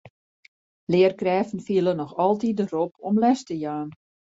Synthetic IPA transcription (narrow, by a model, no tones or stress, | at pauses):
lɪːərkrɛːfn̩fiəlˠənɔxɔlˠtit̚dəropʰɔmlɛstəjaːn